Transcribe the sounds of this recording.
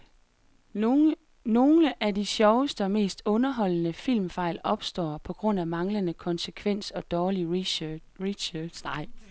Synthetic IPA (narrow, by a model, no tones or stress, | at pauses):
no̝ːləʔæd̥iɕjɒʊəsd̥əɒ̽me̝̰ːsd̥ɔ̽nɐɦɒ̽l̰ənəfil̰mfɑ̈ɪ̰lɒ̽b̥sd̥ɒ̰ːpʰɒ̽ɡ̥ʁɔ̽n̰æmɑ̈ŋlənəkʰɒ̽nsəkʰʋen̰sɒ̽d̥ɒːli | ʁi̥ɕɑd̥sd̥ɑ̈ɪ̰